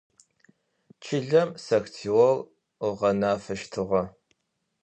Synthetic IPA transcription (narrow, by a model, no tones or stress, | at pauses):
t͡ʃʰɪɮɐmsɐxtʰiwɔr | ʊʁɐnaːfɐʃtʰɨʁɐ